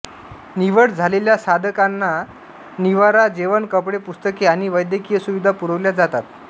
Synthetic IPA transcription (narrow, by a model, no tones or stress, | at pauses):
niʋəɽd͡zʱaleljasad̪əkanːa | niʋaɾad͡zeʋənkəpɽepust̪əkeaɽ̃iʋəjd̪jəkijəsuʋid̪ʱapuɾəʋljad͡zat̪at̪̚